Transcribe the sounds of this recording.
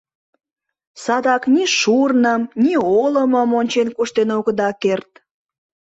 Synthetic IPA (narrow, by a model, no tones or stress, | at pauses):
sɑd̪ɑkniʃurnəmnʲioləməmonʲt͡ɕenkuʃt̪enoɣəd̪ɑkert̪̚